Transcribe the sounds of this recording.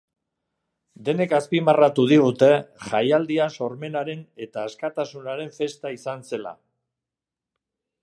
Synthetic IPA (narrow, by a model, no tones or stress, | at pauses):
d̪e̞ne̞kaspimarat̪uð̞iɣ̞ut̪e̞ʝajald̪iaso̞ɾme̞naɾe̞ne̞t̪aːskat̪asunaɾe̞ɱfe̞st̪aisanse̞la̰